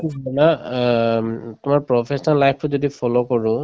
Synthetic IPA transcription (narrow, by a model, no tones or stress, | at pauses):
ibʱɔna | t̪ʊmaɹpɹɔpʰesɔnalajpʰtʊzɔdipʰɔlokɔɹũ